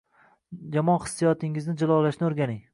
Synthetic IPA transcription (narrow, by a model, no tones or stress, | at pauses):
jamɒnχɨ̥sːijɒt̪ʰɪŋɪznɪd͡ʒɪlˠɒlaʃnɪoɾɡʲanɪŋ